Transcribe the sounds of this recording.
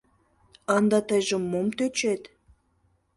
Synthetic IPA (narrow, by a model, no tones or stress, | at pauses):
ɑnd̪ɑt̪ə̆jʒə̆mːomt̪øt͡ɕet̪